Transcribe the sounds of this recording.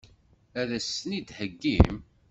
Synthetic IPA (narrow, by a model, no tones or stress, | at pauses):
æðæsnid̪həɡːḭm